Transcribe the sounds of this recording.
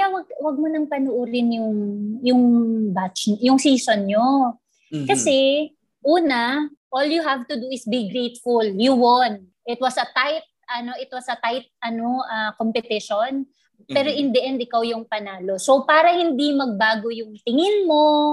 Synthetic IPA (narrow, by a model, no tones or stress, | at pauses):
kɐjawɐɡ̚wɐɡ̚monɐŋpɐnoʔuɾɪnjʊŋjʊŋbat͡ʃɲjʊŋsiːsonɲo | kɐsɛ | ʔuːnɐʔoːljuɦavt̪ʊd̪uɪsbiɡɾejt̪fʊljuwon | ʔɪt̪̚wɐsɐt̪ajt̪̚ʔɐno̞ʔɪt̪wɐsɐt̪ajt̪̚ɐno̞ʔɐkompɛt̪ɪʃon | pɛːɾo̞ʔɪnd̪ɐʔɛnd̪̚ɪkawjʊŋpɐnaːlo̞so̞paːɾɐhɪnd̪imɐɡ̚baːɡo̞jʊŋt̪ɪŋɪnmo̞